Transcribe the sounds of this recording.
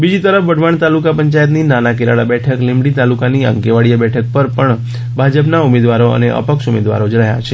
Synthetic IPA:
bid͡ʒit̪əɾəfʋəɖʱʋaɳt̪alukapəɲt͡ʃajət̪̬ninanakeɾaɭabɛʈʰəklimɽit̪alukaniə̰ŋkeʋaɽijabɛʈʰək̚pəɾpəɳ | bʱad͡ʒəpnaumed̪ʋaɾoə̰neʔə̰pəkʃumḛd̪ʋa̰ɾod͡ʒəɭaja̰t͡ʃʰe

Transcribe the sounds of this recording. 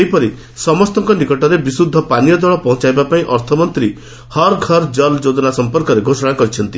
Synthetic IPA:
ejpɔɾi | sɔmɔst̪ɔŋkɔnikɔʈɔɾebisud̪ʱːɔpanijɔd̪wɔɭɔpɔɦɔ̃t͡ʃajbapaĩʔɔɾt̪ʰɔmɔnt̪ɾi | hɔɾɡʱɔɾd͡ʒɔld͡ʒod͡ʒ̪ɔnasɔmpɔɾkɔɾeɡʱosɔɽ̃akɔɾit͡ʃʰɔnt̪i

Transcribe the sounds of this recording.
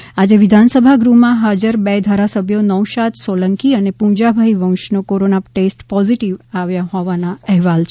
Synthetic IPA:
ad͡ʒeʋid̪ʱansəbʱaɡɾumãɦad͡ʒəɾbed̪ʱaɾasəbʱjonəwʃat̪soləŋkiənepũd͡ʒabʱaiʋə̃w̃ʃnokoɾonaʈesʈpɔziʈiʋaʋjaɦɔʋanaɛɦʋalt͡ʃʰ

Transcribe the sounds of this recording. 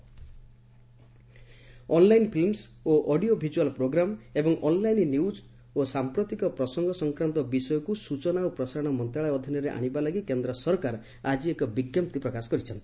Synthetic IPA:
ɔnlajnpʰilmsoʔɔɖiobʱid͡ʒualpɾoɡɾamebɔŋʔɔnlajnnjuwd͡ʒ | osampɾɔt̪ikɔpɾɔsɔŋɡʱɔsɔŋkɾant̪ɔbisɔjɔkusut͡ʃɔnawpɾɔsaɾɔɽ̃ɔmɔnt̪ɾaɭaɔd̪ʱinjɔɾeʔa̰ɽ̃ibalaɡikend̪ɾɔsɔɾkaɾ | ad͡ʒiekɔbiɡjɔmp̚t̪ipɾɔkasɔ̥kɔɾit͡ʃʰɔnt̪i̥

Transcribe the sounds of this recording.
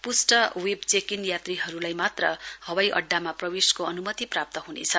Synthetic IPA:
pusʈʌwebt͡sekinjat̪riɦʌɾulajmat̪rʌhʌwajʔʌ̰ɖːamaprʌbeskoʌnumʌt̪iprap̚t̪ʌɦunḛt͡sʰʌ

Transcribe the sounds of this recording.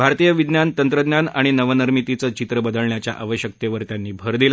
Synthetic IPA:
bʱaɾt̪ijəʋid̪njant̪ənt̪ɾəd̪njanaɽ̃inəʋənəɾmit̪it͡sət͡ɕit̪ɾəbəd̪əɭɳjat͡ɕja̰ʔaʋəɕjək̚t̪eʋəɾt̪janːiːbʱəɾd̪ila

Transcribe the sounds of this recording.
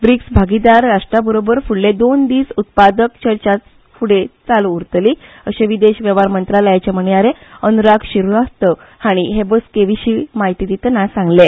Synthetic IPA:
bɾiksbʱaɡid̪aɾːaʂʈɾabəɾobəɾfuɽled̪ond̪iːsut̪̚pad̪əkt͡ɕəɾt͡ɕat͡s | fuɽet͡saluːɾt̪liː | əɕeʋid̪eɕʋjeʋaɾmənt̪ɾaləjat͡ɕam̤əɳijaɾeənuɾakɕiɾuast̪ə | haɽ̃iɦebəskeʋiɕiːmaɦit̪id̪it̪ənasãŋɡle

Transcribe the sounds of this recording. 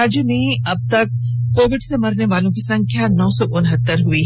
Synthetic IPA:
aːd͡ʒjumẽɐb̚t̪ɐk̚ː | oːʋɪɖsemɐɾneʋaːlõkisɐ̃ŋkʰjanɔːsɔʔʊnɦət̪ːəɾɦʊiɦ

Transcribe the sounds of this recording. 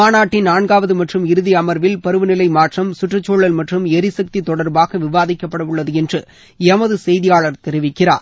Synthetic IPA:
aːnaːʈːɪnnːaːɳɡaːʋɐðɯmɐʈrɯmɪɾɯðɪɐmɐɾʋɪlpɐɾɯʋɯnɪlɐɪmaːʈrɐmsʊʈrɐt͡ʃːoːɭːɐlmɐʈrɯmɛɾɪsɐk̚t̪it̪ɔɽɐɾbaːɣɐʋɪʋaːðɪkːɐpːɐɽɐʋɯɭːɐðɯɛndrɯ | ɛmɐðɯsɛjðɪjaːɭɐɾt̪ɛɾɪʋɪkːɪra̰ːɾ

